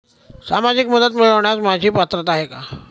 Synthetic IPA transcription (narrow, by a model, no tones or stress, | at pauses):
samad͡ʑikməd̪ət̪miɭəʋɳjasmad͡ʑʱiːpat̪ɾət̪aɦeka